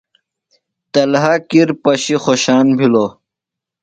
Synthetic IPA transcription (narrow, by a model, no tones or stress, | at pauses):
t̪ɐlɦakiɾpɐɕixoɕaːnbʱilo